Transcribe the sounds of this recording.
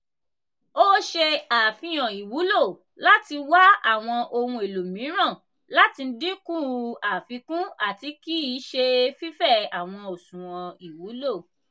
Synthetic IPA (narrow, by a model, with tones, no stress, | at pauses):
o˦ʃe˧aː˨fĩ˧j̃ɔ̃˨i˨wu˨˦lo˦˨ | la˦ti˧wa˦a˦˨w̃ɔ̃˧ʔo˧hũ˧e˨lo˨mĩ˨˦ɾ̃ã˦˨ | la˦ti˧n̩˦di˦kũ˦˨˧a˨fi˧kũ˦a˦˨ti˧˦ki˦˨˦ʃe˧fi˦fɛ˦˨a˨w̃ɔ̃˧o˨sũ˨w̃ɔ̃˨i˨wu˨˦lo˦˨